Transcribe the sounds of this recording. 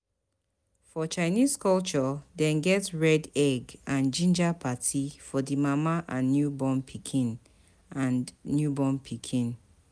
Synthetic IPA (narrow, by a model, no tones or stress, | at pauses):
fɔt͡ʃaɪniskɔlt͡ʃɔdɛ̃nɡɛtɹɛdɛɡãnd͡ʒĩnd͡ʒapʰatʰifɔdimamaʔãnːjubɔ̃npʰikʰĩn | ʔãnːjubɔ̃npʰikʰĩn